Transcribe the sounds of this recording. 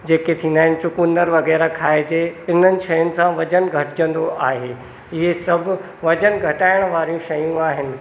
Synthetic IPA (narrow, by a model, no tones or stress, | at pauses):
d͡ʑeːket̪ʰĩːnd̪aːɦɪnɪ̆sʊkũnd̪əɾʋɐɣɛːɾakʰaːed͡ʑeɪn̤ənɪ̆ʃɐjənɪ̆sãʋɐd͡ʑənɡʱɐʈɪd͡ʑə̃nd̪oaːɦeː | ɪɦesɐb̆ʱ | ʋɐd͡ʑənɡʱɐʈaːɪɽ̃ʋaːɾijũʃɐjũaːɦɪnɪ̆